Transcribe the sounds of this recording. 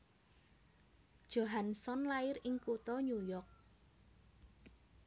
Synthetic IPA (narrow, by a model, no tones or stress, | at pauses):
d̥ʒ̥oɦansɔnlaɪɾɪŋkut̪ɔɲujɔk̚